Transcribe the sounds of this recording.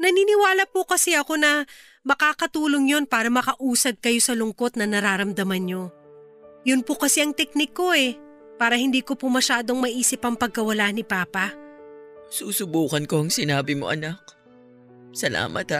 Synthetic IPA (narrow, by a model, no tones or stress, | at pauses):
nɐniːnɪwaːlɐpʊkɐsɛɐko̞nɐ | mɐkaːkɐt̪uːlo̞ŋjo̞npaːɾɐmɐkɐʔuːsɐd̪̚kɐjo̞sɐlʊŋko̞t̪̚nɐnɐɾaːɾɐmd̪ɐmɐnɲo̞ | jʊnpokɐsɛɐŋt̪ɛk̚nɪkːo̞ʔɛ | paːɾɐhɪnd̪iːko̞pomɐʃaːd̪o̞ŋmɐʔiːsɪpɐŋpɐɡ̚kɐwɐlaːnɪpaːpɐ | suːsʊbuːkɐnko̞ɐŋsɪnaːbɪmoʔɐ̰nak̚ | sɐla̰ːmʔɐ̰t̪ha